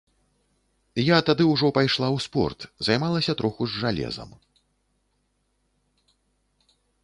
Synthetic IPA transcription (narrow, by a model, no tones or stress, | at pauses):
jat̪ad̪ɨwʐɔpajʂlˠawspɔ̰rt̪zajmalˠɐsʲɐt̪ɾɔxuʐːalʲɛ̰zɐ̰m